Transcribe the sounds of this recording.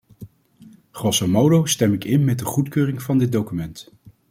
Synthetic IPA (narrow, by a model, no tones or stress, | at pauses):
χrɔsomowdowstɛmɪkɪnmɛt̚dəχutkøːrɪŋv̥ɑndɪt̚dowkymɛnt